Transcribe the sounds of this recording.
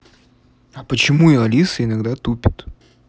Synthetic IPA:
ɐpət͡ɕɪmuɪlˠɐlʲisɨɪnaɡd̪at̪upʲɪt̪

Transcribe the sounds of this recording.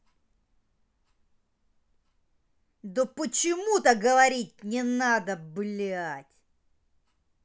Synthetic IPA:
d̪opət͡ɕɪmut̪əɡəvɐɾʲitʲnʲɪnad̪əblʲatʲ

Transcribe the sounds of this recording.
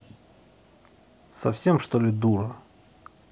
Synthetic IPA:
sɐfsʲemʂt̪olʲɪd̪uɾə

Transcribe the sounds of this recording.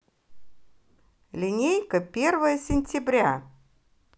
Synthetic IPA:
lʲɪnʲejkəpʲervəjəsʲɪnʲtʲɪbɾʲa

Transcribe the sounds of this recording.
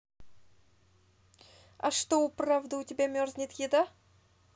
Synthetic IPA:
a̰ʂt̪oʊpravd̪ɨʊtʲɪbʲamʲorzʲnʲit̪jʲɪd̪a

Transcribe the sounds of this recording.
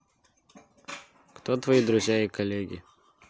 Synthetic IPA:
kt̪ot̪vɐid̪ɾʊzʲjaɪkɐlʲeɡʲɪ̰

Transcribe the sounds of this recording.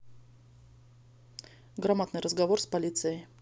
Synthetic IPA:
ɡɾamat̪nɨjɾəzɡɐvorspɐlʲit̪sɨjəj

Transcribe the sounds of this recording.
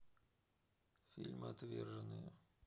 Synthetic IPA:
fʲilʲmɨat̪vʲɛ̰rʐɐnɨjə

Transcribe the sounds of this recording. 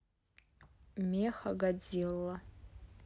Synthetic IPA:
meχaɡad͡zilːa

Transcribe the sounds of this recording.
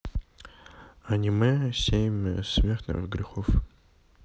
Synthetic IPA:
ɐnʲimɨsʲejɪmʲsmʲert̪nɨ̰χɡɾʲɪxof

